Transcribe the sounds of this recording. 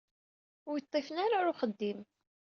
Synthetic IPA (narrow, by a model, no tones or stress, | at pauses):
ʊɾjət̪ˤːefənaɾaɾʊχəd̪ːim